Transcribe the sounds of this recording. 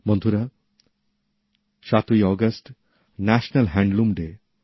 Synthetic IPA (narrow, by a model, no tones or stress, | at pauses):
mɔnd̪ʱuɾa | ʃat̪ujɔɡəsʈ | næʃnɐlɦɛ̃ɳɖlumɖe